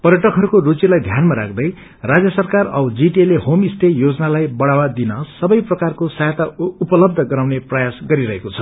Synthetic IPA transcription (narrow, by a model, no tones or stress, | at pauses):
pʌrɾjʌʈʌkɦʌɾukorut͡sjilajd̪ʱjanmaɾa̰k̚ʰd̪ʌj | rad͡zjʌsʌrkarʌwd͡ziʈielehomisʈ̪ʰejod͡zʌnalajbʌɽawad̪inʌsʌbʌjprʌkarkosajat̪aupʌlʌb̚d̪ʱʌɡʌɾawneprʌjasɡʌɾiɾʌɦekot͡sʰʌ